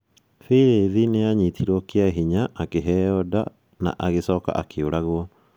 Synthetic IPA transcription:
fiɾeðineaɲitʰiɾɔkeaɦiɲaʔakeɦɛɔda̰ | na̰ʔaɣesɔːka̰ʔakʰeoɾaɣwɔ

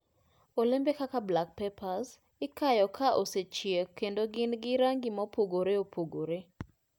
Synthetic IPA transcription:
olɪmbekakablak̚pepaz | ɪkajɔkʰaʔoset͡ʃjekːendoɡɪnɡɪɾaŋɡɪmɔpoɡoɾeopʰoɡoɾe

